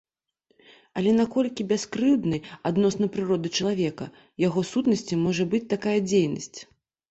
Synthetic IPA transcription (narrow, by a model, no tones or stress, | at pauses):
ɐlʲɛnakɔlʲkʲibʲaskɾɨwd̪nɨad̪nɔsnɐpɾɨɾɔd̪ɨt͡ʂɐlˠavʲɛkɐ̰ | jaɣɔsut̪nɐsʲt͡sʲimɔʐɐbɨt͡sʲt̪akajɐd͡zʲejnɐsʲt͡sʲ